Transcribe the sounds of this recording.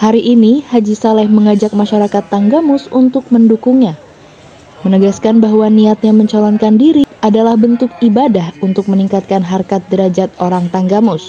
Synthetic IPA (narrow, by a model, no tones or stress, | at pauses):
haɾiʔːnihad͡ʒisalɛhməŋad͡ʒak̚maʃaɾakat̪ːaŋɡamʊsunt̪ʊk̚məndukuŋɲa | mənəɡaskanbaɦwaniat̪̚ɲaməɲt͡ʃalɔnkandiɾiadalahbənt̪ʊkibadahunt̪ʊk̚məniŋkat̪̚kanɦarkat̪̚dəɾad͡ʒat̪̚oɾaŋt̪aŋɡamʊs